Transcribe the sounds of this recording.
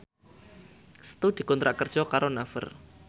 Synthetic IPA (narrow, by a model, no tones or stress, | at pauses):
sə̥t̪ud̪̥i̤kɔnt̪ɾaʔkərd̥ʒ̥ɔkaɾonafə̰r